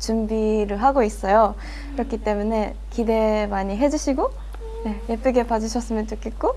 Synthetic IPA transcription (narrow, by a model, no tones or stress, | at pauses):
t͡ɕumbiɾɯɭɦaɡois͈ʌjo | kiɾʌkʰit͈e̞mune̞ | kide̞maɲiɦe̞d͡ʑuɕʰiɡo | ne̞jep͈ɯɡe̞pad͡ʑɯɕʰʌs͈ɯmjʌnt͡ɕok͈ʰet̚k͈o